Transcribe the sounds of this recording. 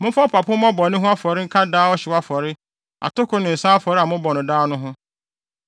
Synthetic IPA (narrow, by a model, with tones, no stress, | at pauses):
mʊ̃˦fɔ˦pʰa˨pʰʊ˦mɔ̃˦bɔ˨nʊ̃˦ɦʊ̃˦a˦fɔ˨ɾɪ˦ŋ̩˦kʰa˦daː˦ɔ˦ɕɛ˨wa˦fɔ˨ɾɪ˦ | a̰˨tʊ˦kʰʊ˦nʊ̃˨n̩˨sãː˦fɔ˨ɾɪ˦a˨mʊ̃˦bɔ˨nʊ̃˨daː˦nʊ̃˦ɦʊ̃˦